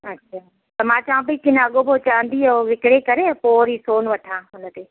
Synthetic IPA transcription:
ɐtːʃʰaː | t̪ɐmãːt͡ɕaːãbikɪnɐɠobʱot͡ɕaːə̃nd̪ioʋɪkɽekɐɾepoːɾiːsoːnʋɐʈʰãːɦʊnə̆t̪eː

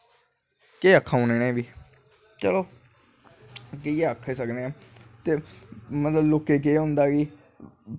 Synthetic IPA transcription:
keːəkʰːaːʊneːneːbiː | t͡ʃəloː | keieːəkʰːeːsəkneːaːt̪eːmət̪ləbloːkːeːk̬eːɦʊ̃nd̪aːɡiː

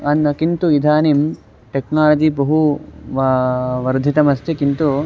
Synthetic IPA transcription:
ɐnɐkint̪uid̪ʱaːnim | ʈeknaːlɐd͡ʒibɐɦuʋʋɐɾd̪ʱit̪ɐmɐst̪ʰekint̪u

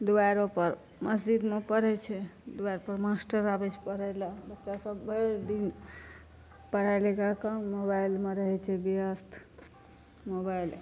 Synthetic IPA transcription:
d̪ubajɾopəɾ | məsd͡ʒid̪mepəɾɛt͡ʃʰɛd̪ubajɾpəɾmasʈəɾabet͡ʃʰpəɾɛlabəkt̪asəbːʱeɾd̪in | pəɾalikakamobajlmeɾəɦɛt͡ʃʰɛbijəst̪ʰ | mobajl

